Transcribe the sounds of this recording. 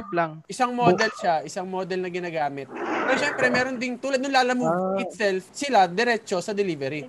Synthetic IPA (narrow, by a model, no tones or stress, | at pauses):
plaŋʔɪsaŋmod̪ɛlʃaʔɪsaŋmoːd̪ɛlnɐɡɪnaːɡaːmɪt̪̚pɛːɾoʃɛmpɾɛmɛːɾo̞nd̪ɪŋt̪uːlɐd̪nʊnlaːlɐmuːʔɪt̪sɛlfsɪlad̪ɛɾɛt͡ʃo̞sɐd̪ɛlivɛɾi